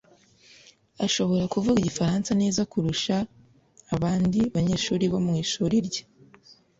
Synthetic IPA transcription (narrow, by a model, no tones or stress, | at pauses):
aʃo̞βo̞ɾakuvuɡiɟifaɾaːnsaneːzakuɾuʃaː | βaːndiβaɲeːʃuːɾiβo̞mŋiːʃuːɾiɾɟḁ